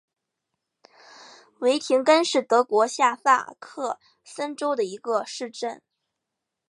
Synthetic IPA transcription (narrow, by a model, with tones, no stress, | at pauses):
we˧˥ɪt̪ʰi˧˥ŋkə˥nʂɻ̩˥˩t̪ɤ˧˥kwɔ˧˥ɕja˥˧fa̰˥˩kʰɤ˥˩ | sə˥nʈ͡ʂo˥ʊd̪ə˨i˧˥ɡə˧ʂɻ̩˥˧ʈ͡ʂə˥˩n